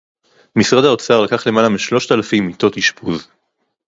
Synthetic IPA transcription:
misʁadhaot͡saʁlakaχle̞malamiʃlo̞ʃt̪alafimːit̪o̞thiʃpʰuz

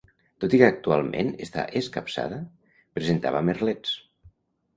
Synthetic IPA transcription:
t̪ot̪ikəak̚t̪ualˠmʔḛnest̪a̰ʔeskapsa̰ðə | pɾezent̪a̰βamerlɛt͡s

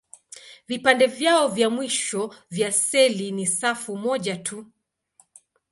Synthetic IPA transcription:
vipandɛvjaɔvjamwiʃɔvjasɛlinisafumɔʄatʰu

